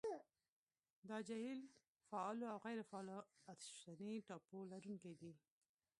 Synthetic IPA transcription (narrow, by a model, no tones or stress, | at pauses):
d̪ɑd͡ʒajil | faɑloawɣajɾɪfaɑloat̪ʃt̪aniʈɑpolaɾuŋkajd̪i